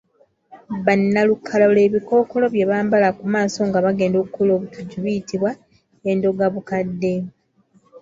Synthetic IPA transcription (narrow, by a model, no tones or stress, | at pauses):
βanːalukʰːalaole̞ːβiko̞ːkolo̞βje̞βaːmbalakumaːso̞ŋɡaβaɡe̞ːndokukoloːβukʰaɟuβijitiβwa | endo̞ɡaβukadːe̞